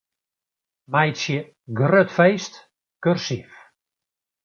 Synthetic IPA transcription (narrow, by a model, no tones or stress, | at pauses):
majtsjə | ɡrøtfejst | kørsif